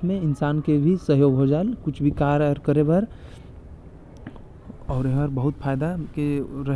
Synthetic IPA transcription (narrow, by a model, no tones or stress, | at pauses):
mẽɪnsaːnkebʱisəɦjoːɡɦod͡ʒaːlkʊt͡ʃʰbʱikaːɾəɾkəɾebəɾ | ɔːɾeɦəɾbəɦʊt̪pʰaːɪd̪akeɾə